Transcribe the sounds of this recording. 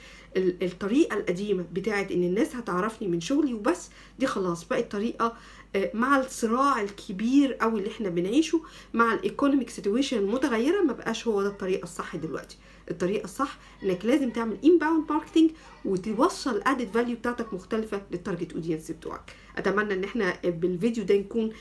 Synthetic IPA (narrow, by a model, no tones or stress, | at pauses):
ʔelet̪ˤːɑɾiːʔɑlʔæd̪iːmæbet̪aːʕet̪ʔenːenːæːshæt̪eʕɾˤɑfnimenʃoɣliwebæsː | d̪iːxɑlɑːsˤbæːʔæt̪ˤːɑɾiːʔɑ | maʕasˤːɨɾɑːʕelkʰebiːɾʔæwelːiʔeħnæbenʕiːʃumaʕalʔekonomikset̪jueːʃænlmot̪æɣæjːeɾæmæbæʔæːʃhowːæd̪æt̪ˤːɑɾiːʔɑsˤːɑħːɑd̪elwæ̰ʔt̪i̥ | ʔet̪ˤːɑɾiːʔɑsˤːɑħːɑ̥ʔenːæklæːzemt̪eʕmelʔimbæwnt̪mɑɾˤke̥t̪iŋɡ | wet̪ewɑsˤːɑlʔaʕd̪æd̪væljubet̪aːʕt̪ækmoxt̪ælfælet̪ˤɑɾˤɡet̪ʔo̰d̪jensibet̪ṵʕɑ̰k | ʔæ̰t̪æmænːæʔenːʔeħnæbelvid̪jod̪ænækuːn